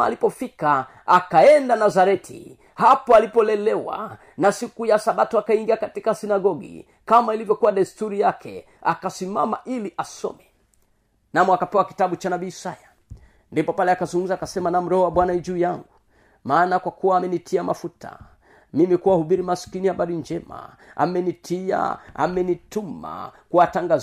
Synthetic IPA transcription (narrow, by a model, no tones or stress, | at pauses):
a̰lipɔfika | akaɛndanazaɾɛtʰḭ | hapɔalipɔlɛlɛwa̰ | nasikujasaɓatuakaiŋɡiakatikasinaɡɔɡḭ | kamailivjɔkuwaɗaistuɾijakʰɛ̰ | a̰kasima̰ma̰ʔiliʔasɔ̰mɛ | namɔakapɛwaki̥taɓut͡ʃanaɓiːsaja | ndipɔpalɛakazuŋɡum̩zaːkasɛmanam̩ɾɛɔwaɓwanaid͡ʒuːjaŋɡu | maːnakwakuwaːmɛnitʰiama̰futa̰ | mimikuwahuɓiɾimaskinihaɓaɾind͡ʒɛma̰ | a̰mɛnitʰia̰a̰mɛnituma̰kuwataŋɡa